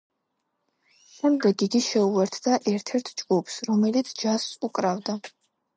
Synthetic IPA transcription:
ʃɛmd̪ɛɡiɡiʃɛuvɛɾt̪ʰd̪aʔɛɾt̪ʰɛɾt̪ʰd͡ʒɡupʰsɾɔmɛlit̪sʰd͡ʒasukʼɾavd̪a

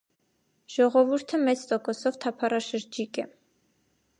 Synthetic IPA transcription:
ʒ̥ɔʁɔvuɾt̪ʰəmɛt͡sʰt̪ɔkɔsɔvt̪ʰɑpʰɑɾɑʃəɾd͡ʒikɛ

